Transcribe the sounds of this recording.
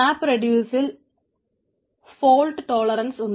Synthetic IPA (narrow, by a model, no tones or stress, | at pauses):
aːpːrɐɖjuːsil | foːɭʈɨʈo̞ːɭɐɾɐnsuɳː